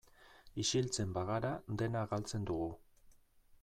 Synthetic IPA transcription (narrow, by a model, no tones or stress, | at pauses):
iʃilt͡se̞mbaɣaɾad̪e̞naɣalt͡se̞nd̪uɣ̞u